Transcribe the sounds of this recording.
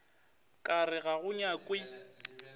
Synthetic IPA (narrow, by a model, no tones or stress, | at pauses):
kʼarɪɣaɣʊɲakʼwɪ